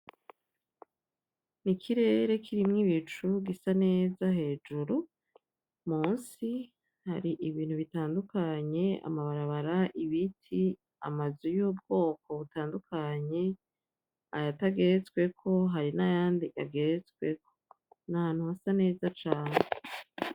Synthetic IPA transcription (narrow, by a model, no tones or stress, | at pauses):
nikʰiɾe̞ːɾe̞kʰiɾimŋiβit͡ʃuɡisane̞ːzaɦe̞ːd͡ʒuɾu | muːnsi | ha̰ɾiʔiβiːn̥huβitaːndukaɲe̞a̰maβaɾaβaɾaʔiβitʰi | a̰mazujuːbɡo̞ːko̞βutaːndukʰaɲe̞ | ajataɡe̞ɾet͡skwe̞kʰo̞ɦaɾinajaːndiʔaɡeɾet͡swe̞ko̥ | nahaːn̥huhasane̞ːzat͡ʃaːne